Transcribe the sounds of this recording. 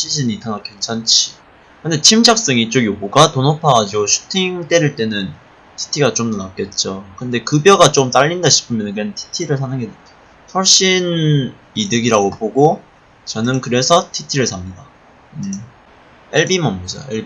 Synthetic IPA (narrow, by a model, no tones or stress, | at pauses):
ɕʰiɕʰiɲitʰaŋɡakʰent͡ɕʰant͡ɕʰi̥ | kɯnde̞t͡ɕʰimd͡ʑʰak̚s͈ɯŋit͡ɕ͈oɡjoɡoɡatonʌpʰaɡad͡ʑiɡoɕʰu̥tʰiŋt͈e̞ɾɯɭt͈e̞nɯn | tʰi̥tʰiɡat͡ɕ͈omʌnak̚k͈e̞t̚t͡ɕ͈okɯnde̞kɯbjʌɡat͡ɕ͈omt͈aʎːindaɕʰi̥pʰɯmjʌnɯnkɯɾenɯntʰi̥tʰiɾɯɭsʰanɯŋɡedwedḁ | sʰʌɭɕ͈in | idɯɡiɾaɡopoɡo | t͡ɕʌnɯnkɯɾe̞sʰʌtʰitʰiɾɯɭsʰamɲida | ɯ | eɭbimʌmmʌd͡ʑa̰eɭbi